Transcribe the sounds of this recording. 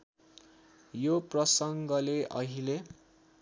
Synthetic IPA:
joprʌsʌŋɡʌleʔʌ̰ɦile

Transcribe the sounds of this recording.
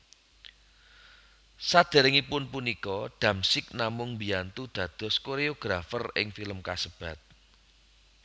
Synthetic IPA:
sad̪̥ɛ̤ɾɪŋipʊnpunikɔd̪̥ä̤msɪk̚namʊŋmbijant̪ud̪̥ä̤d̪̥ɔ̤skoɾeoɡ̥ɾafərɪ̰ŋfiləmkasəb̥ä̤t̪̚

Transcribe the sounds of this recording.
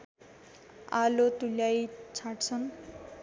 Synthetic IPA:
alot̪uljajt͡sʰaʈt͡sʰʌn

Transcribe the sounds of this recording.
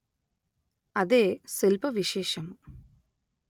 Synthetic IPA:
ɐðeːselpɐʋiɕeːʃɐm

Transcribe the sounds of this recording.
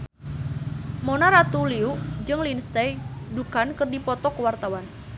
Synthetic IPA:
mɔnaɾat̪uliud͡ʒɨŋlinst̪ɛjdukankərdipɔt̪ɔkəwart̪awan

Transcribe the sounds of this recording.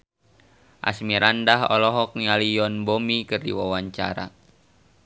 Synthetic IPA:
ʔa̰smiɾandaɦɔ̰lɔɦɔk̚nialijɔnbomikɨrdḭwawaɲt͡ʃa̰ɾa̰

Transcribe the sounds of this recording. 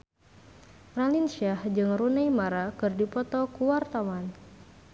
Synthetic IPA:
ralinʃahd͡ʒɨŋrunajmaɾakɨrdipɔt̪ɔkuwart̪awan

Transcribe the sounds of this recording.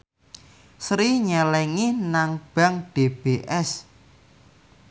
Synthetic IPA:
sɾiɲɛlɛŋihnaŋb̥a̤ŋɖ̥eb̥eʔɛs

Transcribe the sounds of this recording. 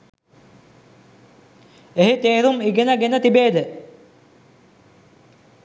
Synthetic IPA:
eɦit̪eːɾumiɡenɐɡenɐt̪ibeːd̪ɨ

